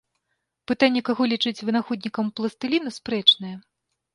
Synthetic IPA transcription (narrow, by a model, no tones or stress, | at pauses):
pɨt̪anʲːɛkaɣɔlʲit͡ʂɨt͡sʲvɨnaxɔd̪ʲnʲikɐmplˠɐst̪ɨlʲinɐspɾɛt͡ʂnɐjɛ